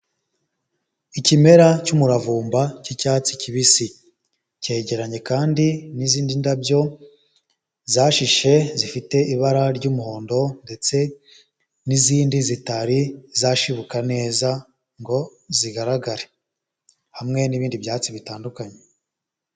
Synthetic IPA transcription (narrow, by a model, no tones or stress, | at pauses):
icime̞ɾacumuɾavuːmbacicaːt͡siciβisi | ce̞ɟe̞ɾaɲe̞kaːndiniziːndindabjo̞ | zaːʃiʃe̞zifite̞ʔiβaɾaɾɟumuho̞ːndo̞nde̞t͡se̞ | niziːndizitaɾizaʃiβukane̞ːza | ŋɡo̞ziɡaɾaɡaɾe | hamŋe̞niβiːndibjaːt͡siβitaːndukaɲe